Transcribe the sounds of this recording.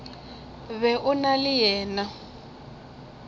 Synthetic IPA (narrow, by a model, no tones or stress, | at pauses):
βɛʔʊnalɪjɛːna